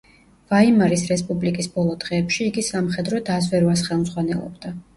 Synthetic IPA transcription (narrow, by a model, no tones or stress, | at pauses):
vaimaɾisɾɛspʼublikʼisbɔlˠɔd̪ʁɛːpʃiːɡisamχɛd̪ɾɔd̪azvɛɾvasχɛlˠmzʁwanɛlˠɔ̰bd̪̥a